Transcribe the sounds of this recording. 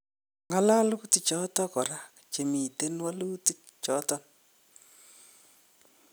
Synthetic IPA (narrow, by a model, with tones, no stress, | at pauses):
ŋa˦la˦luti˨t͡ʃɔ˦tɔ˦kɔ˨ɾa˦kt͡ʃe˨mi˨te˦nwa˦lu˦ti˦k | t͡ʃɔ˨˦tɔ˨n